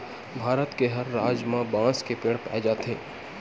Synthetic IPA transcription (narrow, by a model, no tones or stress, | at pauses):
bʱaːɾət̪keɦɐɾːaːd͡ʒmãbãːskepeːɽpɛ̰ːd͡ʒaːt̪ʰeː